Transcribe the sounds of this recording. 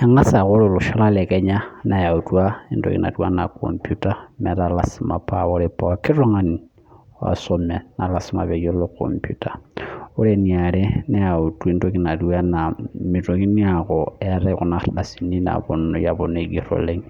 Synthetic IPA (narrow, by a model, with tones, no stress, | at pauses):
a˨ŋa˦sa˨ko˦ɾo˨lɔ˨ʃɔ˦la˦lɛ˨kɛ˦ɲa˦na˨ja˨u˨tu˦a˦i˦ndo̰˦kḭ˨na̰˨du˦a˦na̰˨ko̰˨mpju˦ta˦mɛ˨ɾa˨la˦sma˨pa˦o˦ɾe˨pa˨a˨ki˦ɾɔ˦ŋa˨ni˨˦ | a̰˨so˨mɛ˨na˨la˨sma̰˨βe˨ɡo˦lo˦ko̰˨mpju˦ta˨o˦ɾe˨ni˨a˨ɾe˦na˦ja˨u˨tu˦i˦ndo˦ki˨na˨du˦a˦na˨mi˨ɾo˨ki˦ni˦a˨kɔ˨ɛ˦ɾɛ˦ku˨na˦ɾda˨si˨ni˦na̰˨bɔ˨nɔ˨ja˨bo˨ne˨ɡi˨ɾo̰le˦ŋ